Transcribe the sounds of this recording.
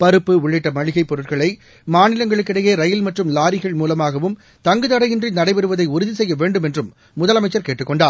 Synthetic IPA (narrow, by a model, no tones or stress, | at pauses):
pɐɾɯpːɯʊɭːɪʈːɐmɐɻɪɣɐɪpːɔɾɯʈkɐɭɐɪ | maːnɪlɐŋɡɐɭɯkːɪɽɐjeːɾɐjɪlmɐʈrɯmlaːɾɪɣɐɭmuːlɐmaːɣɐʋɯm | t̪ɐŋɡɯðɐɽɐjɪndrinɐɽɐɪbɛɾɯʋɐðɐɪʊɾʊðisɛjːɐʋeːɳɖɯmɛndrɯmː | ʊðɐlɐmɐɪt͡ʃːɐɾkeːʈːɯkːɔɳɖaːɾ